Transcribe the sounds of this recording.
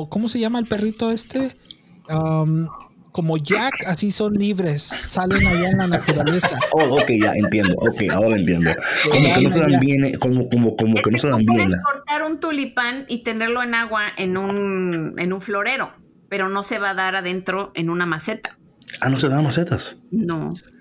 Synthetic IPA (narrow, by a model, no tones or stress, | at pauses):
ko̞mo̞se̞ʝamaelpe̞rit̪o̞e̞st̪e̞ | am | komo̞ʝakasiso̞nliβɾe̞sːalenaʝaenlanat̪uɾale̞saookejʝa̰ʔḛnt̪je̞nd̪oʔokeja̰oɾaent̪jḛnd̪okomokenos̬eðambjenekomokomokomoke̞no̞seðambjenakoɾt̪aɾunt̪ulipanit̪e̞ne̞ɾlo̞enaɣwaʔe̞nunḛnũɱflo̞ɾe̞ɾo̞ | pe̞ɾo̞no̞se̞βaðaɾaðe̞nt̪ɾo̞ʔe̞nũnamase̞t̪ḁ | ano̞s̬e̞ðamaset̪asno